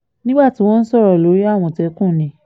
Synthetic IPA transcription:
nĩ˦ɡ͡ba˦˨ti˨˦w̃ɔ̃˦˧n̩˦sɔ˦˨ɾɔ˨lo˨˦ɾi˦a˦˨w̃ɔ̃˨tɛ˧˦kũ˦˨nĩ˨˦

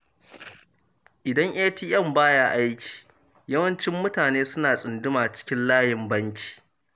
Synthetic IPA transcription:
ʔɪ˨dɐ˦ŋʔeː˦tiː˦ʔɛ˦˨mbaː˦jaː˦ʔa˦jkʲʰi̥ː˨ | jɐ˦wɐ˦nt͡ʃɪ˦mːʊ˦taː˨neː˦sʊ˦naː˨sʼʊ˨ndʊ˦maː˨t͡ʃɪ̥˦kʲɪ˦nlaː˦jɪ˨mbɐ˦ŋkʲi̥ː˨

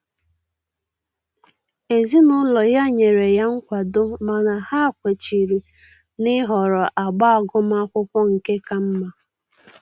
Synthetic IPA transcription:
e˨zi˦nʊ˦lɔ˨ja˦ɲe˨ɾe˨ja˦ŋ̩˦kʷa˨dʊ˦ma˨na˨ha˦˨kʷe˨t͡ʃi˨ɾi˨ | nɪ˦ɦɔ˨ɾɔ˨ʔa˨ɡ͡ba˦a˨ɡʊ˦m˦a˦kʷʊ˦kʷɔ˦ŋ̩˨ke˦ka˦m̩˦ma˦

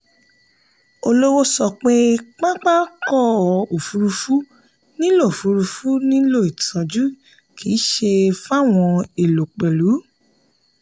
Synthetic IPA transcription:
o˧lo˦wo˦sɔ˧˨k͡pe˦k͡pa˦k͡pa˦kɔ˦˨o˨fu˧ɾu˧fu˦ | nĩ˦lo˦˨o˨fu˨˧ɾu˧fu˦nĩ˦lo˦˨i˨tʰã˨d͡ʒu˦ | kʰi˨˦ʃe˧fa˦˨w̃ɔ̃˧e˨lo˨k͡pe˨lu˨˦

